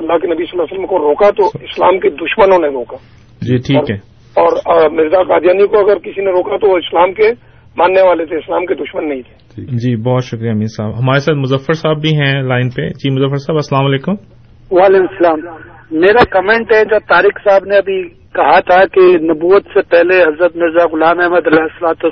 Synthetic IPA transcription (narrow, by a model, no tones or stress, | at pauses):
ɐlːaːɦkenɐbisɐlːaːsələmkoɾoːkat̪oɪslaːmked̪ʊʃmənõneɾoːka | d͡ʒiːʈʰiːɾkɦɛː | ɔːɾmɪɾzakaːd̪jaːnikoɐɡəɾkɪsineɾoːkat̪oɪslaːmke | maːnːeʋaːlet̪ʰeɪslaːmked̪ʊʃmənːɐɦĩt̪ʰe̥ː | d͡ʒiːbɔɦt̪ʃʊkɾijamiːnsaːbɦɐmaːɾesaːt̪mʊzəfːəɾsaːbːʱiɦɛ̃laːɪnped͡ʒiːmʊzəfːəɾsaːbɐsːəlaːmɐleːkʊm | ʋaːleːkʊmsɐlaːmː | eːɾakɐmẽːɳʈɦɛd͡ʒot̪aːɾiːksaːbneɐbʱi | kɐɦat̪ʰakinɐbuːət̪sepɛɦleɦɐzɾət̪mɪɾzaɣʊlaːmɛɦməd̪ɐlaːɪsɐlaːt̪o